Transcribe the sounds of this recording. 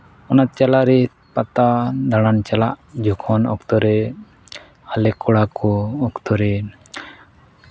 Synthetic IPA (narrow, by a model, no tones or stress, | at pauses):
ɔnat̪̚t͡ʃalaʔɾɛ | pat̪ad̪aɽ̃ant͡ʃalaʔd͡ʒɔkʰɔnɔ̰kt̪ɔɾɛ | alɛkɔɽakɔːkt̪ɔɾɛ